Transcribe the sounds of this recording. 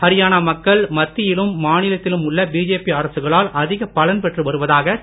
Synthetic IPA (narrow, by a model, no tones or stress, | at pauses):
hɐɾɪjaːnaːmɐkːɐɭmɐt̪ːɪjɪlɯmːaːnɪlɐt̪ːɪlɯmʊɭːɐbiːd͡ʒeːpiɐɾɐsɯɣɐɭaːlʔɐðɪɣɐpɐlɐnpɛʈrɯʋɐɾɯʋɐðaːɣɐ